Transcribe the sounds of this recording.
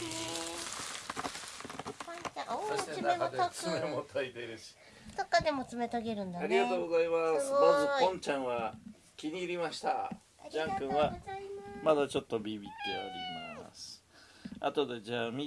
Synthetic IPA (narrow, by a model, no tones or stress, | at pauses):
soɕt̪enat͡sɨmemot̪ait̪eɾɯ̟ɕi̥ | sokːad̪e̞mot͡sɨme̞t̪aɡe̞ɾɯ̟̃nd̪aaɾʲiɡat̪o̞ːɡo̞zaimasd̪oːzopõ̞ɲt͡ɕãɰ̃βa | kʲiɲ̟iːɾʲimaɕi̥t̪a | d͡ʑãŋkɯ̃βa | mad̪at͡ɕo̞t̪ːo̞bʲibʲit̪ːe̞aɾʲima̰sɨ̥a̰t̪o̞d̪e̞d͡ʑaːmʲi